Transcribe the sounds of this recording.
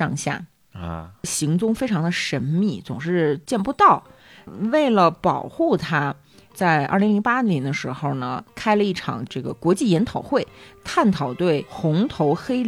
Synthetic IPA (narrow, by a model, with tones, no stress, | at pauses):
ɑ˥˧ŋɕja̰˥˩ | ɕi˧˥ŋt͡sʊ˥˧ŋfe˥ɪʈ͡ʂʰɑ˧˥ŋd̪ə˧ʂə˧˥nmi˥˩t͡sʊ˨˩ŋʂɻ̩˥˧t͡ɕjɛ˥˩npu˧˥t̪ɑ˥˩ʊ | we˥˩ɪlə˩pɑ˨˩ʊxu˥˩t̪ʰa˥ | t͡sa˥˧ɪʔa̰˥˩li˧˥ŋli˧˥ŋ˥pa˥njɛ˧˥nd̪ə˧ʂɻ̩˧˥xo˥˩ʊnə˩kʰa˥ɪlə˧i˥˩ʈ͡ʂʰɑ̰˨˩ŋʈ͡ʂɤ˥˩ɡə̰˩kwɔ˧˥t͡ɕi˥˩jɛ˧˥nt̪ʰɑ˨˩ʊxwe˥˩ɪt̪ʰa˥˩nt̪ʰɑ˨˩ʊt̪we˥˩ɪxʊ˧˥ŋt̪ʰo˧˥ʊxe˥ɪ